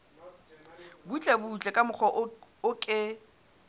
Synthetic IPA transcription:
but͡ɬʼɛbut͡ɬʼɛkʼamʊk͡xʰɔʔʊkʼɪ

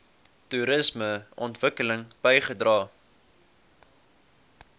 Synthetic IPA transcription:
tuɾəsməʔɔntv̥əkələŋb̥əjχədrɑː

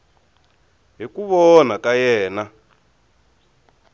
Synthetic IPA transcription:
ɦikuβɔnakajɛːna

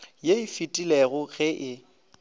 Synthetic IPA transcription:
jeɪfitʼileɣʊɣɛʔɪ

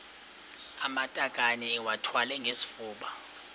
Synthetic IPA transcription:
amatʼakʼaniwatʰwalɛŋɡʱesi̥fuːɓa

